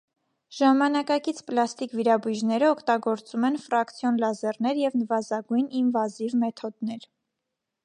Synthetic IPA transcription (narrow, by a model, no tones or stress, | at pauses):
ʒ̥ɑmɑnɑkɑkit͡sʰplɑst̪ikviɾɑbujʒnɛɾəɔkʰt̪ɑɡɔɾt͡sumɛnfɾɑkt͡sʰjɔnlɑzɛrnɛɾjɛvnəvɑzɑɡujninvɑzivmɛt̪ʰɔd̪nɛɾ